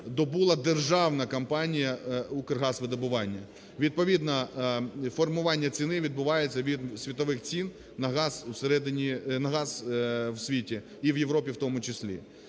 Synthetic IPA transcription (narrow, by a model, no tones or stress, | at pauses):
d̪ɔbulˠɐd̪erʒɑwnɐkɐmpɑnʲijɐukerɦɑsʋɪd̪ɐbʊʋɑnʲːɐ | ʋʲid̪̚pɔʋʲid̪nɐ | fɔrmʊʋɑnʲːɐt͡sʲinɪʋʲid̪bʊʋɑjet͡sʲːɐʋʲid̪sʲʋʲit̪ɔʋɪxt͡sʲin | nɐɦɑzuseɾɛd̪ɪnʲinɐɦɑzwsʲʋʲitʲi | iwjeʋɾɔpʲiwt̪ɔmʊt͡ʃɪsʲlʲḭ